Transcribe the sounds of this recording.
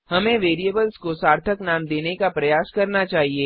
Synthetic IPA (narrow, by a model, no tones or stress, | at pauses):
hɐmẽʋeːɾiebəlskosaːɾt̪ʰəknaːmd̪eːnekapɾɐjaːskɐɾnat͡ʃaːɦieː